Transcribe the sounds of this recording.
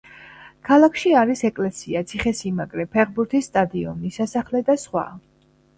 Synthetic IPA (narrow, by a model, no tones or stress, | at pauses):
kʰalˠakʰʃiaɾisɛkʼlɛsiat̪sʰiχɛsimaɡɾɛpʰɛʁbuɾt̪ʰisːt̪ʼad̪iɔ̰nisasaχlɛd̪asχwa̰